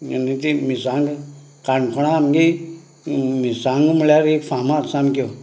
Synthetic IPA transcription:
jənit̪imisaŋɡ | kankʰɔɽ̃aːmɡi | misaŋɡmulaɾekfʰamatsamko

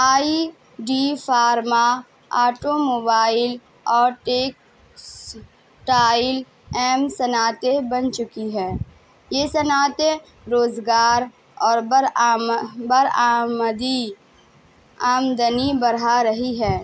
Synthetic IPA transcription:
aːi | ɖifʰaːɾma | aːʈomoːbaːɪl | ɔːɾʈeːk | s | ʈaːɪl | ɛːmsɐnaːt̪ebɐnt͡ʃʊkiɦɛː | jesɐnaːt̪e | ɾoːzɡaːɾ | ɔːɾ | bəɾaːmd̪i | aːmd̪ənibɐɾaɾɐɦiɦɛː

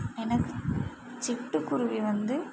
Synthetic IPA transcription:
ɛnɐkːɯ | t͡ʃɪʈːɯkːʊɾʊʋiʋɐnd̪ɯ

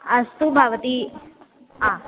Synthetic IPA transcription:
ɐst̪ubʱaʋt̪i | a

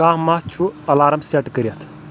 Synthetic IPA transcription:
ãːmat͡ʃʰuɐlaːɾɐmseʈkəɾijɐt̪ʰ

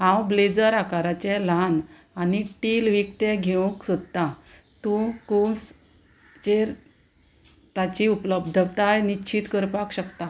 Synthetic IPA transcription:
ɦãwbled͡zəɾakaɾat͡ɕɛ̃lan | aniʈilʋik̚t̪ẽɡʱew̃ksud̪̚t̪a | t̪ũkuns | t͡ɕeɾ | t̪at͡ɕiupləbd̪ʱəbt̪ajnit͡ɕʰit̪kəɾpakɕəkt̪a

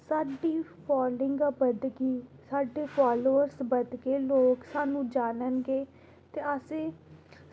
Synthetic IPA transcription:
saːɖiːpʰɔːlɪ̃ŋɡaːbəd̪ɡiːsaːɖeːpʰaːloːəɾsbəd̪ɡeːloːksaːnũːd͡ʒaːnənɡeː | t̪eːəsẽː

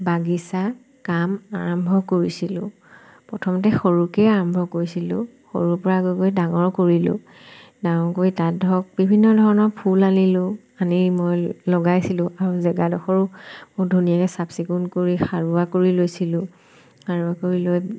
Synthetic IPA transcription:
baɡisa | kama̰ɹɔmbʱɔkoɹisilʊ̃ | pɹɔtʰɔmɔtɛxoɹukɛaɹɔmbʱɔkoɹisilʊ̃ | xo̰ɹuɹpɔɹaɡokojdaŋɔɹkoɹilʊ̰ | daŋɔɹkoɹitat̚dʱɔk̚bibʱinːɔdʱɔɹɔnɔɹpʰulanilʊ | animojlɔɡajsilʊ̃ʔaɹuzɛɡadɔxɔɹʊmodʱunijakɛsabsikunkoɹixaɹuakoɹilojsilʊ̃ | xaɹuakoɹiloj

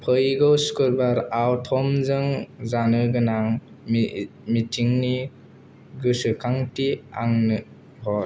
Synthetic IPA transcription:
pʰɯjɡɯwskɯɾbaɾawtʰɔmzɯŋzanɯɡɯnaŋ | mitʰiŋni | ɡɯsɯkʰaŋtia̰ŋnɯ | hɔt

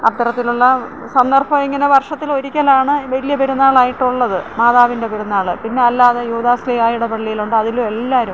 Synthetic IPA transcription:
ɐ̰t̪ːɐɾɐt̪ːiluɭːɐ | sɐnd̪ɐrbɐmeŋːɐneʋɐrʂɐt̪ːilo̞ɾikʲːɐlaːɳɨʋɐlijɐpeɾunːaːɭaːjiʈːuɭːɐðɨmaːðaːʋinde̞peɾunːaːɭɨpinːe̞ɐlːaːðɐjuːd̪aːslijaːjuɽepɐɭːijiluɳɖɨɐðilume̞lːaːɾum

